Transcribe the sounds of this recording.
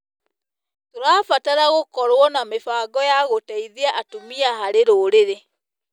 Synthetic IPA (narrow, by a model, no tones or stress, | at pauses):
toɾaːfataɾaɣokɔɾwɔnamefaːɡɔjaɣotaiðiaʔatomiahaɾeɾoːɾeɾe